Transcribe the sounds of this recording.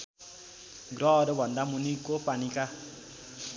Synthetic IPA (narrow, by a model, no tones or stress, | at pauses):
ɡɾɔɾebʱʌnd̪amunikːopanika